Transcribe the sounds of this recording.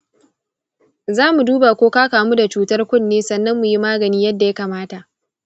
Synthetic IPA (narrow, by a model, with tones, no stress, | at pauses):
zaː˦mu˨duː˦ba˨kʷoː˦kaː˦kaː˨mu˦da˨t͡ʃuː˦tɐ˦rkʷʊ˦˨nːeː˦sɐ˨nːɐ˦mːʊ˨ji˦maː˦ɡɐ˨niː˦jɐ˦dːa˨ja˦kaː˨maː˦ta˨ʔ